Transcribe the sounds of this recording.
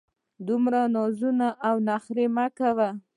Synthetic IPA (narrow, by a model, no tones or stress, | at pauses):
d̪umɾanɑzunaʔːwnaxɾemakawa